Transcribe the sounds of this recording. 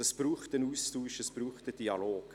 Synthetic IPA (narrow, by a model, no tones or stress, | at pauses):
əspruːχtənuːstuːʃəsb̥ɾuːχtəd̥iɑloːk